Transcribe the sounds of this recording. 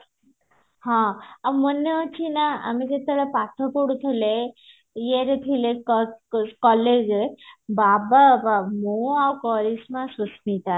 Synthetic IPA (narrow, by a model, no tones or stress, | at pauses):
ɦãamənːeət͡ɕʰinaa̰mid͡zet̪alapat̪ʰɔpoɽut̪ʰele | jeɾet̪ʰilekkɔled͡ʑebababamoawkɔɾismãsusmit̪a